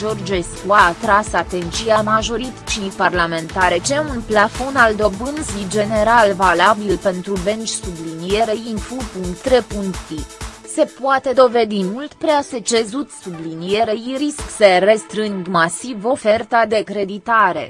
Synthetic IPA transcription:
ʒo̞rd͡ʒeskuaːt̪ɾasat̪e̞nt̪t͡ʃiamaʒo̞ɾit̪t͡ʃiparlame̞nt̪aɾe̞t͡ʃeunplafo̞nald̪o̞bɨnzid͡ʒe̞ne̞ɾalvalabilpe̞nt̪ɾube̞nt͡ʃʲsublinie̞ɾeinfupuŋkt̪ːɾe̞puŋkt̪t̪i | se̞puat̪e̞d̪o̞ve̞d̪imult̪pɾease̞t͡ʃe̞zut̪sublinije̞ɾeiɾisksəre̞st̪ɾɨŋɡmasivo̞fe̞rt̪ad̪e̞kɾe̞d̪it̪aɾḛ

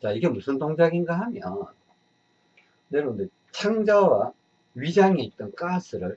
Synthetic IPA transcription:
t͡ɕaiɡe̞musʰɯntoŋd͡ʑaɡinɡaɦamjʌ̰n | neɾonde | t͡ɕʰaŋd͡ʑawa | ɥid͡ʑaŋeit̚t͈ʌnk͈asʰɯɾɯɭ

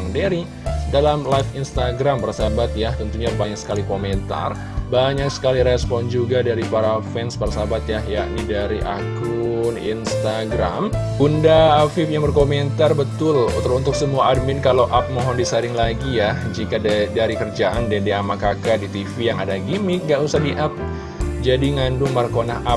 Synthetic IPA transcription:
ŋdaɾi | dalamlajfinst̪aɡɾampaɾasabat̪̚jaht̪ənt̪uɲabaɲak̚sə̥kalikomɛnt̪a̰r | baɲak̚sə̥kaliɾɛspɔnd͡ʒuɡadaɾipaɾafɛnspaɾasabat̪jahja̰ʔnidaɾiʔa̰kɾunḭnst̪aɡɾa̰mɡundafifjaŋbərkomɛnt̪arbət̪ʊlunt̪ʊksəmuaʔːd̚mɪnkalawʔap̚mɔɦɔndisaɾɪŋlaɡijahd͡ʒikadaɾikərd͡ʒaʔandɛdeamakakadit̪ifijaŋadaɡimiŋɡaʔusahdiʔap̚ | d͡ʒadiŋandʊŋmarkonaɦa

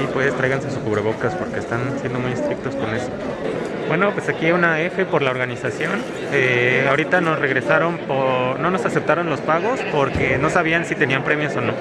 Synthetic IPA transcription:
ipwe̞ðst̪ɾajɣansesuskuβɾe̞βo̞kaspo̞ɾke̞ːst̪ansje̞nd̪o̞muje̞st̪ɾik̚t̪o̞sko̞ne̞so̞ | bwe̞no̞pwe̞sakiaunae̞fe̞po̞ɾlao̞ɾɣanisasjo̞n | eaoɾit̪ano̞sre̞ɣɾe̞saɾo̞mpono̞no̞sasep̚t̪aɾo̞nlo̞spaɣo̞spo̞ɾke̞no̞saβ̞iansit̪e̞niampɾe̞mjo̞so̞no̞

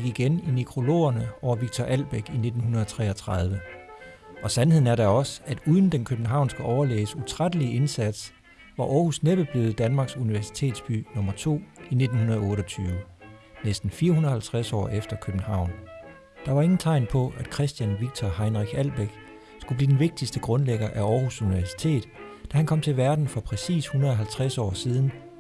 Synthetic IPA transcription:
iɡ̥iɡ̥eninikʰʁo̝lo̝̰ːɐnəʔɒʊɐʋiɡ̥̚t͡sʰɒʔæl̰b̥eɡ̥ine̝d̥n̩hunɐðˠɒt͡sʰʁɛ̰ːɐt͡sʰʁɑð̞ˠʋə | ʔɒ̽sænhe̝ð̰ˠn̩æɐɾɑɒ̽sæd̥uːðˠn̩d̥enkʰøb̥n̩ɦɑ̈ʊ̰nsɡ̥æʔɒʊɐlḛːəsut͡sʰʁad̥əlie̝nsæd̥s | ʋɑ̈ʔɒːhusneb̥əb̥yð̩ˠd̥ænmɑ̈ːɡ̥suniʋæɐsi̥t͡sʰe̝̰ːd̥sb̥y̰ːnɔ̽mɐt͡sʰo̝̰ːine̝d̥n̩hunɐð̞̩ˠɔ̽ːɾɒt͡sʰyːʋə | nesd̥n̩fiːɐhunð̩ˠhælt͡sʰʁasɒ̰ːefd̥ɐkʰøb̥n̩hɑ̈ʊ̰n | d̥ɑ̈ʋɑ̈e̝ŋn̩t͡sʰɑ̈ɪnpʰɒ̽ʔæd̥kʰʁɛsd̥jænʋiɡ̥̚t͡sʰɒhɑ̈ɪnʁiɡ̥æl̰b̥eɡ̥ | sɡ̥ub̥liːd̥enʋe̝ɡ̥̚d̥isd̥əɡ̥ʁɔ̽nleɡ̥ɐʔæɒːhusuniʋæɐsi̥t͡sʰe̝̰ːd̥ˠd̥æhænkʰɒ̽m̰t͡sʰe̝lʋæɐd̥n̩fɒ̽pʰʁɛsḭːshunɐðˠɒɦælt͡sʰʁasɒ̰ːsiːð̞ˠn̩

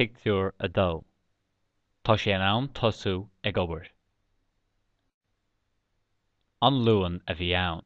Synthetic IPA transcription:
ɪɡ̚tʰuːɹə̰d̪aw | t̪ʰɔʃɛːnawnt̪ʰɔsuɛɡɔbəɹt | anluːənəviːawn

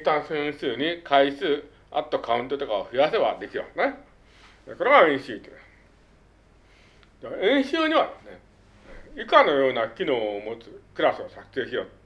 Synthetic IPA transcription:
t̪ːãɰ̃sẽɰ̃sɨːɲ̟ikaisɨː | a̰t̪ːo̞kaɯ̟̃nt̪o̞t̪o̞kaoɸɯ̟jase̞βa̰d̪e̞kʲiba̰ne | ko̞ɾeɡaẽɰ̃ɕiːt̪o | d̪eẽɰ̃ɕɨːɲ̟iβad̪e̞sɨ̥ne | ikano̞jo̞ːnakʲino̞ːmo̞t͡sɨkɯ̟ɾasɨosakɯ̥se̞ːɕijo̞̰ːt̪

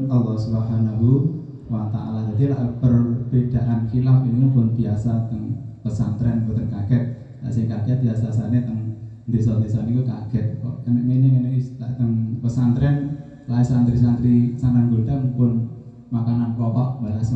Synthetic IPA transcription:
alːɔhsubɦanaɦu | wat̪a̰ʔa̰lad͡ʒad̪ila̰ʔpərbid̥a̤ʔankilafininupʊnbiasat̪əŋpəsant̪ɾɛnbut̪əŋkaɡ̥ɛt̪̚ | la̰ʔsɪŋkaɡ̥ɛt̪̚biasas̬anet̪əŋ | d̪es̬ɔd̪esɔnikukaɡ̥ɛt̪̚kɔ̰ʔənəʔneneənekt̪a̰ʔt̪əŋpəsant̪ɾɛn | laisant̪ɾisant̪ɾisananɡoɖ̥aŋpʊn | makananpɔpaʔbalas

